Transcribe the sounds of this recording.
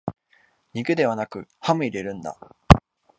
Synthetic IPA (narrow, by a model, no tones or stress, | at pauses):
ɲ̟iɡɯ̟d̪e̞β̞anakɯ̟hamɯ̟iɾe̞ɾɯ̟̃nd̪a̰